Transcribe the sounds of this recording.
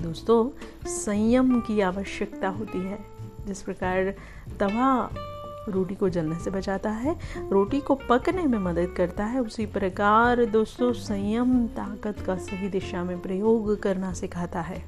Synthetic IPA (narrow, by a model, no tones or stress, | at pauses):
d̪oːst̪õsɐ̃jəmkiaːʋəʃjəkt̪aɦoːt̪iɦɛː | d͡ʒɪspɾɐkaːɾ | t̪ɐʋa | ɾoːʈikod͡ʒɐlnesebɐt͡ʃaːt̪aɦɛɾoːʈikopɐknemẽmɐd̪əd̪kɐɾt̪aɦɛʊsipɾɐkaːɾd̪oːst̪õsɐ̃jəmt̪aːkət̪kasɐɦid̪ɪʃamẽpɾɐjoːɡkɐɾnasɪkʰaːt̪aɦɛː